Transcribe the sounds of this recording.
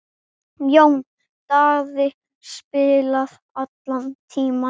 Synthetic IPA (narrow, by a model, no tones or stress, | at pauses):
jown | t̪aɣðɪ | spɪːlað | at̪lant̪ʰiːma